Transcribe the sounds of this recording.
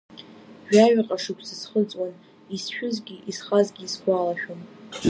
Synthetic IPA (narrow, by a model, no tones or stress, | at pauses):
ʒᶣaɥqʼaʂɨkʷʰsɨsχət͡sʼwan | isʃᶣʊzɡʲiʔisχazɡʲiːsɡʷalaʃᶣom